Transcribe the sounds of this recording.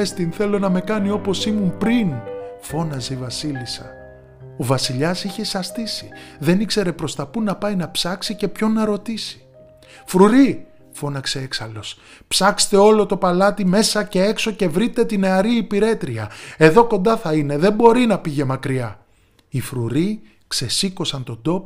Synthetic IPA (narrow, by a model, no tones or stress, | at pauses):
est̪inθe̞lo̞nɐme̞kɐnio̞po̞simumpɾinfo̞nɐzeivɐsilisɐ̰ | o̞vɐsiʎɐsiçe̞sɐst̪isiðe̞nikse̞ɾe̞pɾo̞st̪ɐpunɐpɐjnɐpsɐksice̞pço̞nːɐɾo̞t̪isi̥ | fɾuɾi | fo̞nɐkse̞e̞ksɐlo̞s | psɐkse̥t̪e̞o̞lo̞t̪o̞pɐlɐt̪ime̞sɐce̞e̞kso̞ce̞vɾit̪e̞t̪ine̞ɐɾiːpiɾe̞t̪ɾiɐe̞ðo̞ko̞nd̪ɐθɐine̞ðe̞mbo̞ɾinɐpiʝe̞mɐkɾiɐ | ifɾuɾi | kse̞siko̞sɐnt̪o̞d̪o̞p